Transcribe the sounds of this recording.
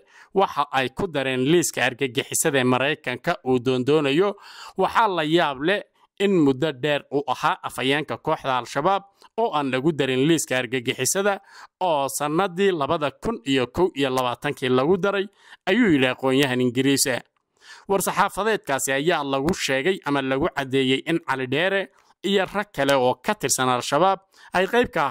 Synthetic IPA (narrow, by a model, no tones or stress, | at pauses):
wɑħɑʔɛjkʰʊd̪ɐɾɛːnliːskʰɐɐrɡɐɡɪħɪsɐðɛːmɐɾɛjkʰɐŋkʰɐʔuːd̪ɔːnd̪ɔːnɐjɔwɑħɑːlɐjaːβlɛ | ɪnmʊd̪ɐɖɛːruːʔɐhaːʔɐfɐjaːŋkʰɐkʰɔːħd̪ɐːlʃɐβaːb̚ | ɔːʔaːnlɐɣʊd̪ɐɾɪnliːskʰɐːrɡɐɡɪħɪsɐðɐɔːsɐnːɐðiːlɐβɐðɐkʰʊnijɔkʰɔwijɔlɐβaːt̪ʰɐŋkʰiːlɐɣʊd̪ɐɾɛj | ɐjuːjɪɽiɐqɔːnjɐɦɐnɪŋɡɪɾiːsɐ̰ | wɑrsɑħɑːfɐðɛːd̪̚kʰaːsɪɐjaːlɐɣʊʃɛːɣɛjʔɐmɐlɐɣʊʕɑd̪ɛːjɛjʔɪnʕɑlɪɖɛːɾɛ | ijɔrɐkʰɐlɛɔːkʰɐt̪ʰɪrsɐnɐlʃɐβaːb̚ | ʔɐjqɑjb̚kʰɐ